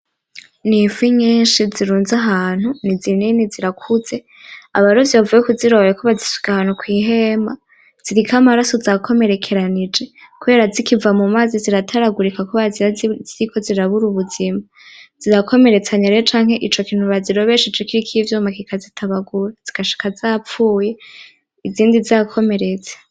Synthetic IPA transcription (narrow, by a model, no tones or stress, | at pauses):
niviɲiːnʃiziɾuːnzaɦaːn̥hunizininiziɾakʰuze̞ | a̰βaɾovjiβavujekuziɾoβjekʰoβazisu̥ɡahaːn̥hukwiːɦe̞ːma | z̥iɾikʰamaɾaso̞zakʰo̞me̞ɾe̞kʰe̞ɾanid͡ʒe̞kuɾe̞ɾazikivamumaziziɾatʰaɾaɡuɾikakoβaziɾaziɾikʰo̞ziɾaβuɾuβuzima | z̥iɾakʰo̞me̞ɾe̞t͡saɲeɾet͡ʃaːŋ̥he̞ʔit͡ʃo̞kiːn̥huβaziɾo̞βeʃid͡ʒokiɾikʰivjuːmakikʰazitʰaβaɡuɾaz̥ikaʃi̥kazapfuːje̞ | iziːndiziakʰo̞me̞ɾe̞t͡se̥